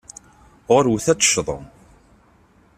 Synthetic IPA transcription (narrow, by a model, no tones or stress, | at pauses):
ʁʊɾwθæt͡sːə̥ʃðˤə̰m